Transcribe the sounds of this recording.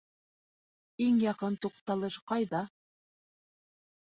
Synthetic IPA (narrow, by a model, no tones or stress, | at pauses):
iŋjɑqɤnt̪uqt̪ɑlˠɤʃqɑjðɑ